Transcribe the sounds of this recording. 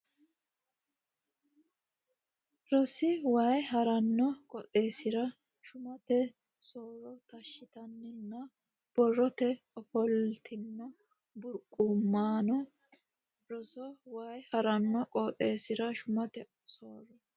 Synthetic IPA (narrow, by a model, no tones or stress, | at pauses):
ɾɔsɪwajɦɐɾɐnːɔkʼɔt̪ʼe̞ːsɪɾɐ | ʃʊmɐt̪ɛ | soːɾɔt̪ɐʃːɪt̪ɐnːɪnːɐ | b̥ɔrːɔt̪ɛ | ɔfɔlt̪ʰɪnːɔ | bʊɾkʼːumːaːnɔ | ɾɔsɔwaːjhɐɾɐnːɔkʼɔːt̪ʼe̞ːsɪɾɐʃʊmɐt̪ɛ | soːrːɔ